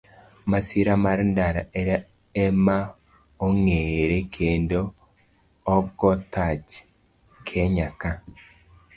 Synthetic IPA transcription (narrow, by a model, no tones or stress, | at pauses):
masiɾamaɾndaɾaeɾa | ema | oŋeɾekʰeːndoː | ɡɔtat͡ʃ | kʰeɲaka